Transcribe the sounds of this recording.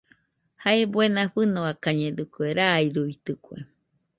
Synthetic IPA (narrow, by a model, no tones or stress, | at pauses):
haebwenãɸɨnõakaɲẽd̪ɨkueɾaiɾuit̪ɨkuḛ